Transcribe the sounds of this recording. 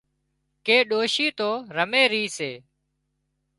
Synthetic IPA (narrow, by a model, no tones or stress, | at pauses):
keːɗoːʃiːt̪oːɾəmeːɾiːseː